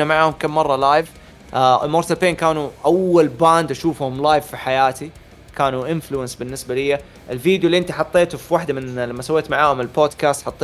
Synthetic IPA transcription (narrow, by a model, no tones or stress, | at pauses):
amaʕahʊmkamːɑrˤːɑlaːjv | moɾt̪alpeːnkaːnuʔawːalbaːnd̪ʔaʃuːfhʊmlaːjvfiħajaːt̪i | kaːnuʔɪnfluɪnsbɪnːɪsbalɪjːa | ʔɪlfiːd̪julːiʔɪnt̪iħɑt̪ˤːeːt̪ufiwaħd̪amɪnlamːasawːeːt̪maʕaːhʊmɪlboːd̪kaːst̪ħɑt̪ˤː